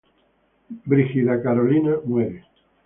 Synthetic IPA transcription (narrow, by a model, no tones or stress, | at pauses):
bɾixiðakaɾolinamweɾe